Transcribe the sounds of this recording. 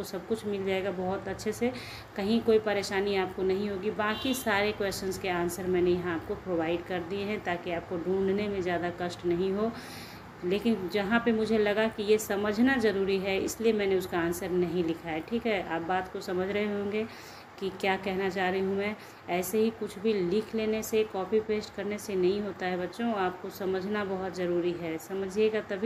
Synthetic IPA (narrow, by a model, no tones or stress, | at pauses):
osɐb̚kʊt͡ʃʰmɪld͡ʒaːeɡabɔɦʊt̪ɐtːʃʰese | kɐɦĩkoːipɐɾeːʃaːniaːp̚konɐɦĩɦoːɡibãːkisaːɾekweːst͡ʃənzkeaːnsəɾmɛ̃ːnejɐɦãaːp̚kopɾobaːɪɖkɐɾd̪ieɦɛ̃t̪aːkiaːp̚koɖʱũːɳɖnemẽzjaːd̪akɐʃʈnɐɦĩɦo | leːkɪnd͡ʒɐɦãpemʊd͡ʒʱelɐɡakijesɐməd͡ʒʱnazɐɾuːɾiɦɛɪ̰sliemɛ̃ːneʊskaaːnsəɾnɐɦĩlɪkʰaeʈʰiːkɦɛʔa̰ːp̚baːt̪kosɐməd͡ʒʱɾɐɦeɦõːŋɡe | kikjaːkɛɦnat͡ʃaːɾiɦũmɛ̃ː | ɛːseɦikʊt͡ʃʰbʱilɪkʰleːnesekɔːpipeːsʈkɐɾnesenɐɦĩɦoːt̪aɦɛbɐtːʃõaːp̚kosɐməd͡ʒʱnabɐɦʊt̪zɐɾuːɾiɦɛsɐməd͡ʒʱieɡat̪ɐbʱi